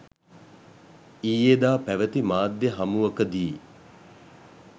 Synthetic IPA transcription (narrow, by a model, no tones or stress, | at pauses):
iːjed̪aːpæʋət̪imaːd̪jeɦamuʋɐkəd̪i